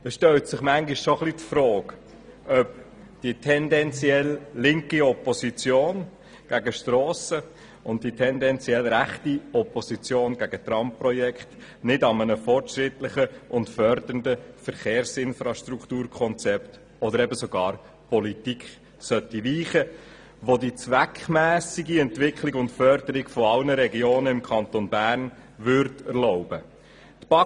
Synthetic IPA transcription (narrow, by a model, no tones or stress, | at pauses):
əʃtœltsɪχmæŋɡɪʃsoχlitfɾɔːk | ʔœp | d̥itʰɛndɛnt͡siɛlːɪŋkiɔpɔsit͡sjoːn | ɡ̥æɡəʃtɾɔːsə | ʊntd̥itʰɛndɛnt͡siɛlɾæχtiɔpɔsit͡sjoːnɡ̥æɡ̥ət̪rɑmpprɔjɛkχt | nɪdɑmənəfɔrtʃɾɪtlɪχəʔʊntfœɾd̪əndəfəɾχeːɾsɪnfɾɑʃtɾuktuːɾkʰχɔnt͡sɛpt | ɔdəɾɛbəsɔɡɑːɾ | pɔlitikχ | sœtiʋiːχə | ʋodit͡sʋækχmæːsiɡiɛntʋɪkχlɪɡʊntfœɾdəɾɪɡ̥fɔɑlnəɾɛɡioːnəɪmkʰɑnt̪onbæːɾn | ʋʏɾtəɾlɔʊb̥ə | t̪b̥ɑ